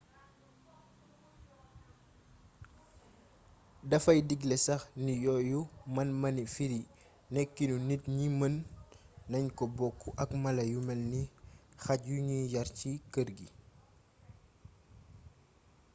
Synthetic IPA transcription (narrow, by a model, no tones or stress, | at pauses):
dɐfɐjdiɡlɛsɐxnijɔjumɐnmɐnifiɾi | nɛkːinunitɲimənː | ɐɲkɔbɔkːuʔɐkmɐlɐjumɛlnixɐcjuɲijɐɾcikəɾɡi